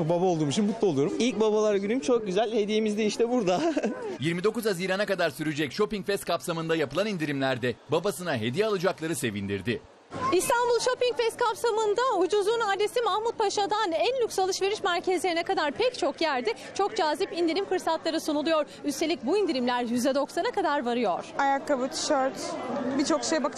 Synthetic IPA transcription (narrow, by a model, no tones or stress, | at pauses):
babao̞lˠd̪uːmuʃʰinbut̪lˠolˠuoɾumilʲcbabalˠaɾɟynymt͡ʃʰok̚ɟyzælʲhe̞d̪ijemizd̪iiʃt̪ɛbuɾd̪ajiɾmid̪o̞kuzaziːɾanakad̪aɾsyɾyd͡ʒɛcʃo̞piŋcfɛst̪̚kʰapsamɯnd̪ajapʰɯlˠanind̪iɾimlʲæɾd̪ɛbabasɯnaɦe̞d̪ijɛalˠɯd͡ʒaklˠaɾɯse̞vind̪ḭɾd̪ɪ | ist̪ʰanbulˠʃo̞piŋcfɛst̪̚kʰapsamɯnd̪aud͡ʒuzuːnaɾd̪e̞simahmut̪̚pʰaʃad̪anænlʲyksalˠɯʃve̞ɾiʃmæɾcʰezlʲe̞ɾinɛkad̪aɾpʰɛct͡ʃʰo̞kjæɾd̪ɪ | t͡ʃʰo̞kd͡ʒaːzipind̪iɾimfɯɾsat̪lˠaɾɯsunulˠujo̞ɾ | yst̪ʰeic̚buind̪iɾimlʲæɾjyzɛd̪o̞ksanakad̪aɾvaɾɯjo̞ɾ̥ajakːabɯt͡ʃʃœɾt̪bit͡ʃʰo̞kʃejbak